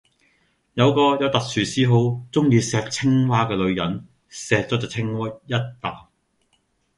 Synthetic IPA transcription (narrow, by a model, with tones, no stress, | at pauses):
jɐ˨˧wkɔː˧jɐ˨˧wt̪ɐ˨k̚syː˨˩siː˨˥ɦo˨˥wt͡sʊ˥ŋjiː˧sɛː˨˧k̚t͡sʰɪ˥ŋwaː˥kɛː˧lɵ˨˧ɥjɐ˨˥n | sɛː˨k̚t͡sɔː˨˥t͡sɐ˨t͡sʰɪ˥ŋwɐ˥t̚jɐ˥t̚t̪aː˨